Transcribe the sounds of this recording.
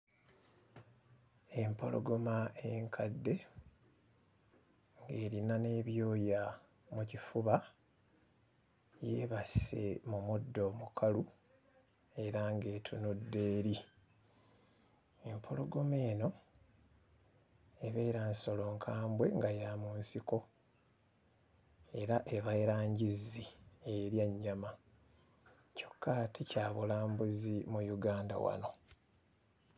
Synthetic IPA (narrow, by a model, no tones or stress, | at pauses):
e̞mpo̞̰lo̞̰ɡomaeŋkʰadːe̞ | ŋɡe̞ːɾinane̞ːβjo̞ːja | mucifuβa | jḛβasḛmumudːo̞ːmukʰalu | e̞ɾaŋɡe̞ːtʰunudːe̞ːɾi | empʰoloɡo̞me̞ːno̞ | e̞βe̞ːɾanso̞lo̞ŋkʰaːmbwe̞ŋɡajamunsiko̞ | e̞ɾaʔeβajɾaːɲɟizieɾjaɲːama | co̞̥kʰːatʰicaːβulaːmbuzimujuɡaːnda̰wa̰no̞